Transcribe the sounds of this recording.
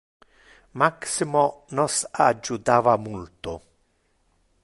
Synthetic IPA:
maksimonɔsad͡ʒːut̪aːvamult̪o

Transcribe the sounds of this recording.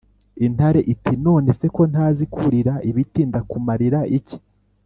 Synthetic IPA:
intaɾe̞ʔitʰino̞ːne̞se̞ko̞ntaːzikʰuɾiɾaiβitiːndakumaɾiɾaʔici̥

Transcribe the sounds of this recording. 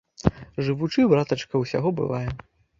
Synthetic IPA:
ʐɨvut͡ʂɨbɾat̪ɐt͡ʂkɐwsʲa̰ɣɔbɨ̰vˠajɛ

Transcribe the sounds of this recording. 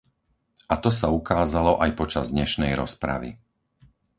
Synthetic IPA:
ʔat̪ɔsaukaːzalɔʔajpɔt͡ʃazd̪ɲɛʃnɛjɾɔspɾa̰ʋḭ

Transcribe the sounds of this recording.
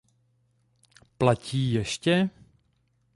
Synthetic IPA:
placiːjɛʃcɛ

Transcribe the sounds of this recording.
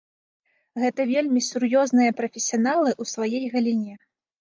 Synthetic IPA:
ɣɛt̪ɐvʲelʲmʲisurjɔznɨjɐpɾɐfʲesʲijanalˠɨʔusvajɛjɣɐlʲinʲɛ

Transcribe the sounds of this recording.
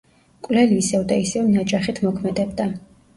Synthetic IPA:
kʼwlɛliːsɛvd̪aisɛɔmnad͡ʒʼaχit̪ʰmɔkʰmɛd̪ɛbd̪a

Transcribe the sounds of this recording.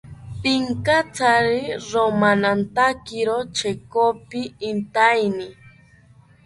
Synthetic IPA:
piŋkat͡saɾɪɾomanant̪akiɾot͡ʃekopɪːnt̪ajnɪ

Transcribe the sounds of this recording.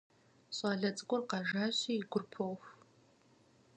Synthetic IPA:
ɕʼɑːɮɐt͡sʼkʷʼʊrqɑʒaːɕiːɡʷʊrpʰowx

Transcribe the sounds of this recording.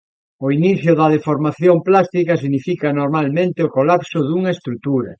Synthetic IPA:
oiniθjʊðɐðefoɾmaθjomplast̪ikɐs̬iɣnifikɐnoɾmalmẽnt̪ɪokolapsoðuŋɐest̪ɾut̪uɾɐ

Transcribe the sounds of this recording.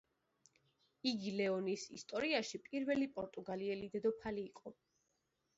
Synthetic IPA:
iɡilɛɔnisḭst̪ʼɔɾiaʃipʼiɾvɛlipʼɔɾt̪ʼuɡaliɛlid̪ɛd̪ɔpʰaliːqʼɔ

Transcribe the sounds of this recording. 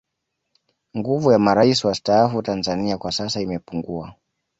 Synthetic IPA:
ŋɡuvujamaɾaisiwastaafutanzaniakwasasaimɛpuŋɡua

